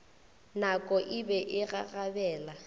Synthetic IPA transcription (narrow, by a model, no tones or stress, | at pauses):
nakʼɔʔɪbɛʔɪɣaɣabɛːla